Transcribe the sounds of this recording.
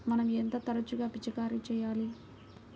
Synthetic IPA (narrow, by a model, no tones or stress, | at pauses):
mɐnɐmɛnt̪ɐt̪ɐɾɐt͡ʃuɡaːpit͡ʃɐkaːɾit͡ʃɛːjaːli